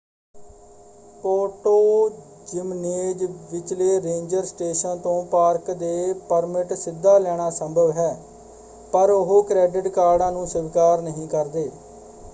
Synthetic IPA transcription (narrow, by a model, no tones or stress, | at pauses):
poːʈoː | d͡ʒɪmneːd͡ʒʋɪt͡ʃleːɾẽːɲd͡ʒəɾsʈeːʃənt̪õːpaːɾkd̪eːpəɾmɪʈsɪd̪ːaːlɛːɽ̃aːsəmbʱəʋɦɛː | pəɾʊɦoːkɾɛːɖɪʈkaːɾɖãːnũːsʊʋkaːɾnəɦĩːkəɾd̪eː